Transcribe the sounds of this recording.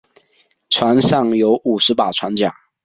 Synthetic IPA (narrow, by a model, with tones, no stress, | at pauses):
ʈ͡ʂʰwa˧˥nʂɑ˥˩ŋjo˧˥ʊʔu˨˩ʂɻ̩˧˥pa˨˩ʈ͡ʂʰwa˧˥nt͡ɕja̰˨˩˦